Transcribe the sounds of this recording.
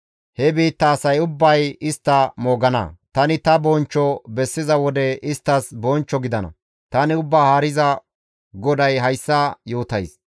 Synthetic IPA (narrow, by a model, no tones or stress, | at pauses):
hɛbiːt̪ːɐːsɐjʊbːɐjɪst̪ːɐmo̞ːɡɐnɐ̰t̪ɐnɪt̪ɐbɔnt͡ʃːɔbɛsːɪzɐwɔd̪ɛʔɪst̪ːɐsbɔnt͡ʃːɔɡɪd̪ɐnɐ̰ | t̪ɐnɪʊbːaːhaːɾɪzɐ | ɡɔd̪ɐjɦɐjsːɐjo̞ːt̪ɐjs